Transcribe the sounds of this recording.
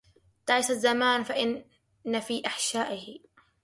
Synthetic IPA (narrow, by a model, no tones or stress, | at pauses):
t̪aʕɪsazːamaːnfaʔɪnː | afiːʔaħʃaːʔɪhɪ